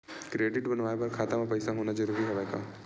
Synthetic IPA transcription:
kɾeːɖɪʈbɐnʋaːjepɐɾkʰaːt̪amãpɐɪsaɦoːnad͡ʒəɾubiɦɐʋɛːka

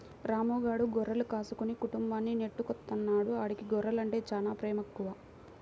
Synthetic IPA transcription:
ɾaːmɔːɡaːɽuɡɔɾːɐlukaːsukunikuʈumbaːnːine̞ʈːukɔt̪ːɐnːaːɽuaːɽikiɡɔɾːɐlɐɳʈe̞ːt͡ʃaːnaːpɾɛːmɐkːuʋaː

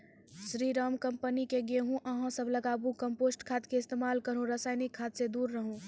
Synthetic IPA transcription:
sɾiɾaːmkəmpənikeɡeɦũʔɐɦãsəbləɡaːbũkəmpoːsʈkʰaːt̪keɪst̪eːmaːlkəɾũɾəsaːɪnikʰːaːt̪sed̪uːɾːəɦũ

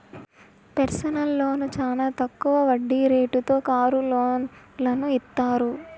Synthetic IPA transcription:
peɾsɐnɐlːo̞ːnut͡ʃaːlaːt̪ɐkːuʋɐʋɐɖːiɾe̞ːʈut̪o̞ːkaːɾuloː | lɐnuit̪ːaːɾu

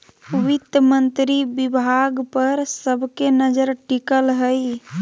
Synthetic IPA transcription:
ʋit̪jəmənt̪ɾibibʱaɡpəɾsəbʱkenəd͡ʒəɾʈikəlɦəj

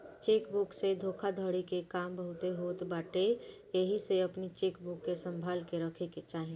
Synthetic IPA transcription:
t͡ʃeːkbuksed̪ʱoːkʰad̪ʱəɽikekaːmbəɦʊt̪eɦot̪baːʈe | jeɦiseɐpnit͡ʃeːkbʊkːesə̃mbʱaːlkeɾəkʰeket͡ʃaːɦi

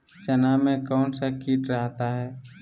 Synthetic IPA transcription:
t͡ʃɐnamẽkaʊnsakiːʈɾəɦt̪aɦɛː

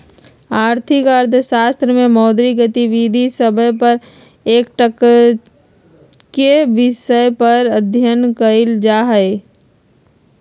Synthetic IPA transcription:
aːɾt̪ʰɪkəɾd̪ʱəʃaːst̪ɾəmẽmɔːd̪ɾiɡət̪iʋid̪ʱisəbʱəpəɾ | eːk̚ʈək | keʋɪʃəjpəɾəd̪ʱjənkəɪld͡ʒaːɦəe

